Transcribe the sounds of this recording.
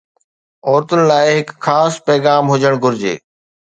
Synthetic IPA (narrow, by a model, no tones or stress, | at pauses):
ɔːɾt̪ʊnɪ̆laːɪɦɪkxaːspɛːɣaːmɦʊd͡ʑəɽ̃ɡʱʊɾɪd͡ʑḛː